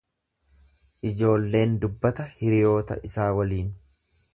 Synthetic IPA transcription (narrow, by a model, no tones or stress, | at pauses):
ʔɪd͡ʒo̞ːlːe̞ːnd̪ʊbːɐt̪ɐhɪɾɪjo̞ːt̪ɐ̰ʔɪsaːwɐliːn